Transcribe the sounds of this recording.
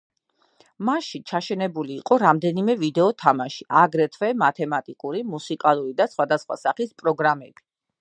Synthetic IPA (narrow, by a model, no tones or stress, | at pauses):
maʃit͡ʃʰaʃɛnɛbuliːqʼɔɾamd̪ɛnimɛvid̪ɛɔt̪ʰamaʃiʔaɡɾɛt̪ʰvɛmat̪ʰɛmat̪ʼikʼuɾimusikʼalˠuɾid̪asχwad̪asχwa̰saχispʼɾɔɡɾamɛb̥i